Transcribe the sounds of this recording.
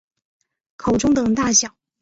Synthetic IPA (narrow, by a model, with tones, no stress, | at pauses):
kʰo˨˩ʊʈ͡ʂʊ˥ŋt̪ɤ˨˩ŋt̪a˥˩ɕjɑ˨˩˦ʊ